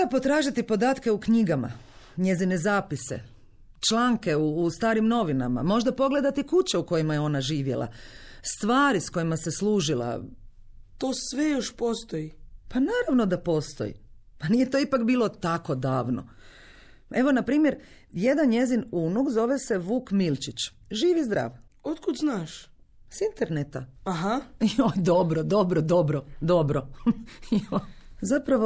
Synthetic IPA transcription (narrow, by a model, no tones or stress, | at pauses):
lapo̞t̪ɾaːʒit̪ipo̞d̪aːt̪ke̞ukɲiɡama̰ | ɲe̞zine̞zaːpisḛ | t͡ʃlˠaːŋke̞uːst̪aːɾimno̞ʋina̰ma̰mo̞ʒd̪apo̞ɡle̞d̪at̪ikut͡ɕeuko̞jimajeo̞naʒiːʋjḛlˠa̰st̪ʋaːɾisko̞jimase̞slˠuːʒilˠa̰ | t̪oːsʋejoʃpo̞st̪oipanaːɾaʋno̞d̪apo̞ːst̪o̰jḭ | paniːje̞t̪oːipakbiːlˠot̪ako̞d̪aːʋno̰ | e̞ʋo̞napɾiːmje̞ɾ | je̞d̪anje̞zinunuɡzo̞ʋe̞se̞ʋuːkmilt͡ʃit͡ɕ | ʒiːʋizd̪ɾa̰ːʋ | ot̪kud̪znaːʃ | sint̪eɾnet̪aaɦaod̪obɾod̪o̞bɾod̪o̞bɾod̪o̞bɾoiozapɾaʋo